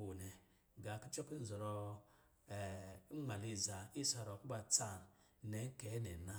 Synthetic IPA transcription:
o˨ne˨ | ɡa˨˦ki˦t͡ʃo˦ki˦n˦zɔ˨ɾɔ˧˨ | i˦ŋ͡ma˨li˦˨za˨i˦sa˨ɾo˨ku˦ba˨t͡sa˦˨n | ne˨˦ke˨˦ne˨na˦

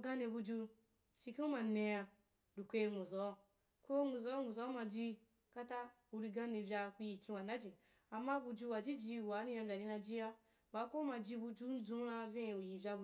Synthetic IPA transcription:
ɡã˦ne˧bu˧d͡ʒu˧ | t͡ʃi˧ki˦u˦ma˧nẽ˧ja˧ | ɾu˨kʷe˧e˧ŋu˨zɔ˨˦˨ | ko˦ŋu˨zɔ˨˦ŋu˨zɔ˨˦mã˧d͡ʒi˧ | ka˦ta˦ | u˧ɾi˧ɡã˦nẽ˧vʲa˧ku˧ji˨kʲĩ˧wa˨na˦d͡ʒi˨ | a˨mːã˦bu˧d͡ʒu˧wa˨d͡ʒi˦d͡ʒi˧˨wa˨˦nĩ˧jã˧bʲa˨di˧nã˧d͡ʒi˧ja˦ | ba˨˧˦ko˦mã˧d͡ʒi˧bu˧d͡ʒu˦n̩˦d͡zũ˦ɾã˧vʲẽ˦˨u˨ji˨vʲa˧bu˧

